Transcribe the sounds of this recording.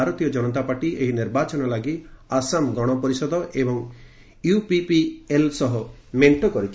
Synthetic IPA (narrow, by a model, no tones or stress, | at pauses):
aɾɔt̪ijɔd͡ʒɔnɔt̪apaʈiʔeɦiniɾbat͡ʃɔnɔlaɡiasamɡɔɽ̃ɔpɔɾisɔd̪ɔʔebɔŋ | jupipielsɔɦɔ | meɳʈokɔɾit͡ʃʰ